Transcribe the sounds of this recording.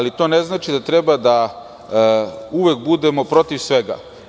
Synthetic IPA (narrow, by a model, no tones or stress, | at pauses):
lit̪o̞ne̞znaːt͡ʃid̪at̪ɾe̞bad̪a | uʋek̚bud̪e̞mo̞pɾo̞t̪iʋsʋe̞ɡa̰